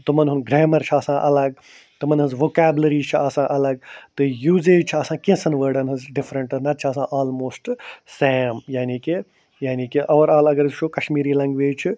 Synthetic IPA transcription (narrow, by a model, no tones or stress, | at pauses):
t̪ɨmɐnɦʊnɡɾeːmɐɾt͡ʃʰaːsãːʔɐlɐɡ̚ | t̪ɨmɐnɦɨzʋoːkaːblɐɾiːt͡ʃʰiaːsãːʔɐlɐɡ̚t̪ɨjuːzeːd͡ʒt͡ʃʰiasãːkẽsɐnʋəːɖɐnɦɨzɖɪfɾɐ̃ɳʈɐnɐt̪̚t͡ʃʰiɐːs̬ãːʔaːlmoːsʈseːmjaːniːki | jaːniːkiʔɐʋɐɾaːlɐɡɐɾizt͡ʃʰoːkɐʃmiːɾiːlɐ̃ŋɡʋeːd͡ʒt͡ʃʰi